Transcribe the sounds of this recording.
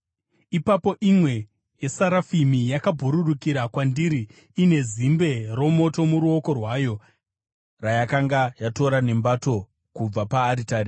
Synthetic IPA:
ipapo̞ʔimwe̞ | jesaɾafimijakabʱuɾuɗukiɾakwandiɾiː | ne̞zimbe̞ro̞mo̞to̞muɾuo̞ko̞rwaːjo̞ | rajakaŋɡajato̞ɾane̞mbato̞ | kub͡vapaːɾitaːɾi

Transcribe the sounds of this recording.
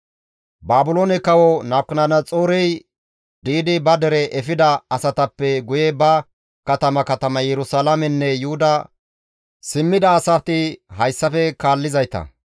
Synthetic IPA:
baːbʊloːnɛkɐwɔnɐːp̚kɪnɐnɐt͡sʼoːɾɛj | d̪iːd̪ɪbɐd̪ɛɾɛʔɛfɪd̪ɐɐsɐt̪ɐpːɛɡʊjɛbɐ | kɐt̪ɐmɐkɐt̪ɐmɐjɛɾʊsaːlɐmɛnːɛjʊhʊd̪ɐ | sɪmːɪd̪ɐːsɐt̪ɪɦɐjsːɐfɛkaːlːɪzɐjt̪ɐ̰

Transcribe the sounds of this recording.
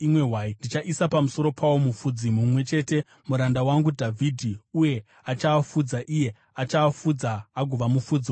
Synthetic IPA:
imwe̞ɦwaːindit͡ʃaʔisapamuso̞ɾo̞pʰawo̞mufud͡zimumwe̞t͡ʃe̞te̞ | muɾandawaŋɡudʱavʱidʱiuje̞ | at͡ʃaːfud͡zaʔije̞ | at͡ʃaːfud͡zaːɡʱuʋamufud͡zio

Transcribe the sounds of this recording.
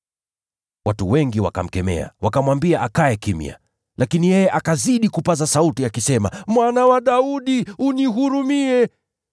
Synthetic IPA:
watuwɛŋɡiwa̰ka̰m̩kɛmɛ̰a̰wakamwambiaʔakaɛkimḭa̰ | lakinijɛjɛʔakaziɗikupazasautiakisɛma̰mwanawaɗauɗiuniɦuɾumiɛ

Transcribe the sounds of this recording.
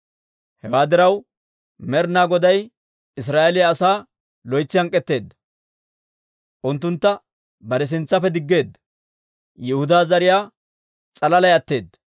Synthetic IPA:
hɛwaːd̪ɪɾɐw | mɛɾnaːɡɔd̪ɐj | ɪs̬ɾaːʔɛlɪjɐːsaː | lɔjt͡sːɪhɐŋkʼːɛt̪ːe̞ːd̪ːɐ | ʔʊnt̪ːʊnt̪ːɐ | bɐɾɛs̬ɪnt͡sːɐfɛd̪ɪɡːe̞ːd̪ːɐ | jɪhʊd̪aːzɐɾɪjaː | t͡sʼɐlɐlɐjɐt̪ːe̞ːd̪ːɐ

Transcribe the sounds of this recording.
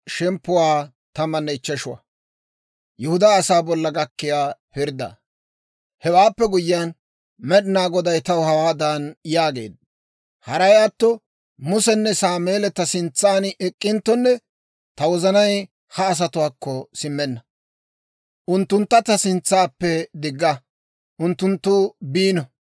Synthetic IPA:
ʃɛmpːʊwaː | t̪ɐmɐnːɛɪt͡ʃːɛʃʊwɐ̰ | jɛhʊd̪aɐsaːbɔlːɐɡɐkːɪjaːpɪɾd̪ɐ̰ | hɛwaːpːɛɡʊjɪjan | mɛɗɪnaːɡɔd̪ɐjt̪ɐwhɐwaːd̪aːnjaːɡe̞ːd̪̚ | hɐɾɐjaːt̪ːɔ | mʊsɛnːɛsaːmeːlɛt̪ːɐsɪnt͡sːaːnɛkʼːɪnt̪ːɔnːɛ | t̪ɐwɔzɐnɐj | hɐːs̬ɐt̪ʊwaːkːɔsɪmːɛnːɐ | ʔʊnt̪ːʊnt̪ːɐt̪ɐsɪnt͡sːaːpːɛd̪ɪɡːɐ | ʔʊnt̪ːʊnt̪ːʊbiːnɔ

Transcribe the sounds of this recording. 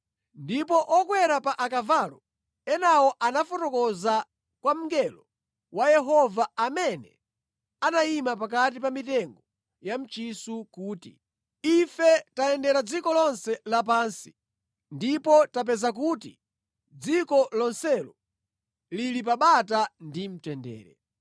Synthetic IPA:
ndipɔʔɔkwɛɾapaʔakavalɔ | ɛnawɔʔanafɔtɔkɔza | kwam̩ŋɡɛlɔ | wajɛɦɔvaamɛnɛ̰ | anaimapak̬at̬ipamitɛŋɡɔ | jam̩t͡ʃisukuːtḭ | ifɛtaɛndɛɾad͡zikɔlɔnsɛlap̬aːnsi̥ | ndipɔtap̬ɛzak̬uːtḭ | d͡zikɔlɔnsɛlɔ | lilip̬aɓatandim̩tɛndɛ̰ːɾɛ̰

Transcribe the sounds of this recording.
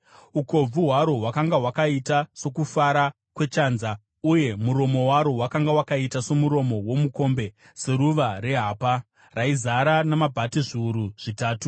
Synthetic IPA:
uko̞b͡vuɦwaɾo̞wakaŋɡaɦwakaitaso̞kufaɾa | kwe̞t͡ʃaːnza | uje̞muɾo̞mo̞waɾo̞wakaŋɡawakaitaso̞muɾo̞mo̞wo̞muko̞ːmbe̞ | se̞ɾuʋare̞ɦaːpa | raizaɾanamabʱatiʐiuɾuʐ̥itaːtu

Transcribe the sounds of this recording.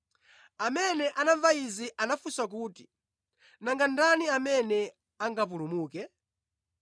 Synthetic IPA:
amɛnɛʔanaɱvaiziʔanafusak̬uːti | naŋɡandaniamɛnɛ | aŋɡap̬ulumuːkɛ

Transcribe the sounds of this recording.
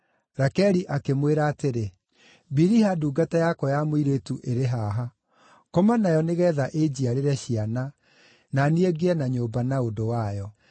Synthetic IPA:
ɾakɛɾiʔakemweɾaːteɾe | biɾihaduːɡatajakɔjamoiɾetuʔeɾeɦaɦa | komanajɔneɣɛːðaʔed͡ʑiaɾeɾɛɕiana | nanieɡeɛnaɲoːbanaodowajɔ

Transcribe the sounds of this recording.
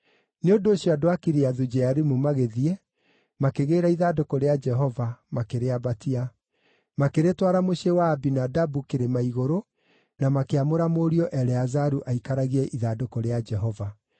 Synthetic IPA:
neondoːɕjɔadoakiɾeaðud͡ʒɛaɾimumaɣeðiɛ | makeɣeːɾaiðadokɔɾead͡ʒɛɦɔvamakeɾeabatia | makeɾetwaɾamoɕewaːbinadabukeɾemaiɣoɾo | namakeamoɾamoɾiɔʔɛɾɛazaɾuʔaikaɾaɣiɛʔiðadokɔɾead͡ʒɛɦɔva

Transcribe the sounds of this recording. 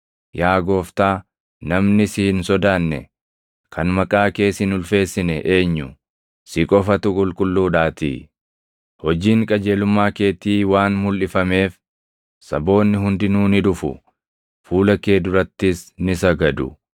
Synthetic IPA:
jaːɡo̞ːft̪aː | nɐmnɪsɪhɪnsɔd̪aːnːɛ̰ | kʰɐnmɐkʼaːke̞ːsɪnʊlfe̞ːsːɪnɛʔe̞ːɲːʊ | sɪkʼɔfɐt̪ʊkʼʊlkʼʊlːuːᶑaːt̪ḭː | hɔd͡ʒiːŋkʼɐd͡ʒe̞ːlʊmːaːke̞ːt̪iːwaːnmʊlʔɪfɐme̞ːf | sɐbo̞ːnːɪɦʊnd̪ɪnuːnɪᶑʊfʊ̰ | fuːlɐke̞ːd̪ʊɾɐt̪ːɪsnɪsɐɡɐd̪ʊ̰

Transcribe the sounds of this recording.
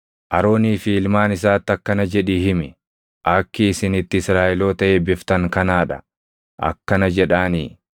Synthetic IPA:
ʔɐɾo̞ːniːfɪɪlmaːnɪsaːt̪ːɐkːɐnɐd͡ʒɛᶑihɪmɪ | ʔɐkːɪːsɪnɪt̪ːɪɪsɾaːʔɪlo̞ːt̪ɐʔeːbɪft̪ɐŋkɐnaːᶑɐ̥̰ | ʔɐ̰kːɐnɐd͡ʒɛᶑaːniː

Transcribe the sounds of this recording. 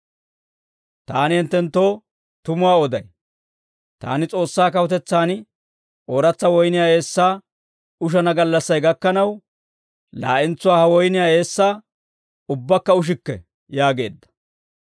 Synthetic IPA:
t̪aːnɪhɛnt̪ːɛnt̪ːo̞ː | t̪ʊmʊwaːɔd̪ɐj | t̪a̰ːnɪt͡sʼo̞ːsːaːkɐwɔt̪ɛt͡sːaːnɪ | o̞ːɾɐt͡sːɐwɔjnɪjaːe̞ːsːaː | ʊʃ̬ɐnɐɡɐlːɐsːɐjɡɐkːɐnɐw | laːʔɪnt͡sːʊwaːhɐwɔjnɪjaːe̞ːsːaː | ʊbːɐkːɐʊʃ̬ɪkːɛ̰ | jaːɡe̞ːd̪ːɐ̥

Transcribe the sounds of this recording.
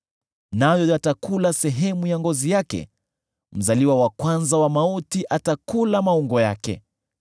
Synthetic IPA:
najɔjatakulasɛɦɛmujaŋɡɔzijakɛ̰ | m̩zaliwawakwanzawamautiʔatakulamauŋɡɔja̰kɛ̰

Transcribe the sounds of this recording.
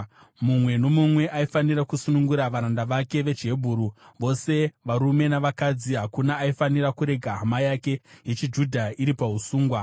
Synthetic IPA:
mumwe̞no̞mumwe̞ʔaifaniɾakusunuŋɡuɾaʋaɾandaʋake̞ʋe̞d͡ʒe̞bʱuːɾuʋo̞se̞ʋaɾume̞naʋakad͡ziɦakunaːifaniɾakuɾe̞ɡʱaɦamajake̞jet͡ʃid͡ʒudʱaiɾipaɦusuːŋɡwa

